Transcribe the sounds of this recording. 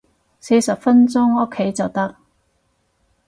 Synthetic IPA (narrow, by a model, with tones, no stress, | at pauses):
se˨˧jsɐ˨p̚fɐ˥nt͡sʊ˥ŋʊ˥kʰːe˨˥jt͡sɐ˨wt̪ɐ˥k̚